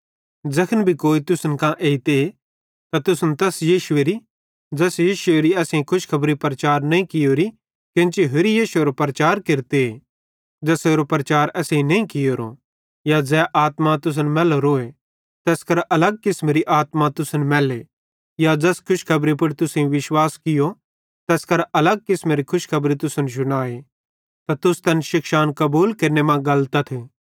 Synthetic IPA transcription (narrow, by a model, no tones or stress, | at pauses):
d͡zɐkʰənbʱikoːit̪ʊsənkãʔeːit̪e | t̪at̪ʊsnt̪ɛːsjiːʃʊeɾi | d͡ʒɐsjiːʃʊeɾiɛːsẽĩkʰʊʃkʰɐbɾipɾɐt͡ʃaːɾnɐĩkɪjoːɾi | kẽnt͡ʃiɦoɾijiːʃʊeɾopɾɐt͡ʃaːɾkɪɾt̪ee | d͡ʒɐseːɾopɾɐt͡ʃaːɾɛːsẽĩnɐ̃ĩkɪjoːɾo̰ | jad͡zɛːʔaːt̪mat̪ʊs̬ənmɛːloɾoːe | t̪ɛːskɐɾʔɐləɡ̚kɪsmeːɾiʔaːt̪mat̪ʊsənmɛːle | jad͡ʒɛskʰʊʃkʰɐbɾip̬ʊɽt̪ʊsẽĩʋɪʃwaːskɪjo | t̪ɛːskɐɾɐləɡ̚kɪsmeɾikʰʊʃkʰɐbɾit̪ʊsənʃ̬ʊɽ̃aːe | t̪at̪ʊst̪ɐnʃɪkʃaːnkɐbuːlkɐɾnemãɡɐlt̪at̪ʰeː